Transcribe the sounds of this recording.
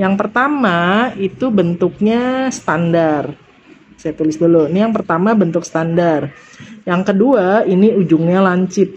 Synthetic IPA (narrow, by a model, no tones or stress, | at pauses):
jaŋpərt̪amait̪ubənt̪ʊk̚ɲast̪andar | sajat̪ulɪsduluinijaŋpərt̪amabənt̪ʊksə̥t̪andar | jaŋkəduainiud͡ʒuŋɲalaɲt͡ʃɪt̪̚